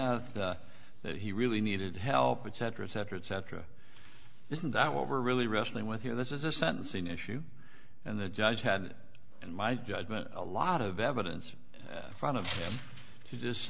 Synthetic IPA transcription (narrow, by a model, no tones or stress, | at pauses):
ɛθ | ðɨ̰t̚ɦiɹɪlˠiniɾɨd̚ɦɛlˠpɨtsɛt͡ʃɹ̥ɨtsɛt͡ʃɹ̥ɨɨtsɛt͡ʃɹ̥ɨ̰ | ɪzn̩ðət̚wʌ̰t̚wɪɹɹɪlˠiɹɛslˠɪ̃ŋwɨð̥hiɹðɨtsɨzɨsɛ̃ñʔn̩sɪ̃ŋɪʃʉ | ɨ̃nðɨd͡ʒʌ̥ʒ̥ɨɾ | ɨ̃nmaɪd͡ʒʌd͡ʒmɨ̃ntə̰lɔ̰ɾʌvɛvɨɾɨ̰̃ns | fɹʌ̃ɾ̃ʌv̥ɪ̃m | tʰɨd͡ʒʌs